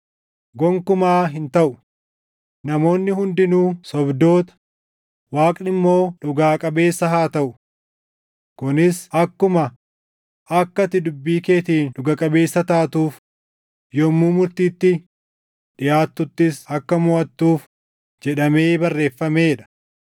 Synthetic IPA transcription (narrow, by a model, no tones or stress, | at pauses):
ɡɔŋkʊmaːɦɪnt̪ɐʔʊ | nɐmo̞ːnːɪhʊnd̪ɪnuːsɔbd̪o̞ːt̪ɐ̥ | waːkʼnɪmːo̞ːᶑʊɡaːkʼɐbe̞ːsːɐɦaːt̪ɐʔʊ | kʊnɪsɐkːʊmɐ | ɐkːɐt̪ːɪd̪ʊbːiːke̞ːt̪iːnᶑʊɡɐkʼɐbe̞ːsːɐt̪aːt̪uːf | jɔmːuːmʊɾt̪iːt̪ːɪ | ᶑɪjaːt̪ːʊt̪ːɪsɐkːɐmɔʔɐt̪ːuːf | d͡ʒɛᶑɐme̞ːbɐrːe̞ːfːɐme̞ːᶑɐ̥